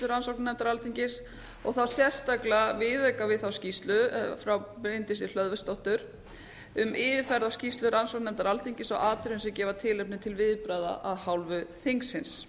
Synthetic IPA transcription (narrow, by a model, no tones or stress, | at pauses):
lʏɾansowknnɛmt̪aɾalt̪ʰiɲcɪs | ɔɣθawsjɛ̥st̪aklavɪðɛkavɪðθawscist̪lʏfɾawpɾɪjnt̪ɪsɪl̥œðvɛst̪owht̪ʏɾ̥ | ʏmʔɪːðɪfɛɾðawscist̪lʏɾansowknɛmt̪aɾalt̪ʰiɲcɪsɔɣaːt̪ʏɾɪnsɛcɛːvat̪ʰɪːlɛpnɪt̪ʰɪlvɪðpɾaða̰ʔaðhawlvʏθeŋksːɪns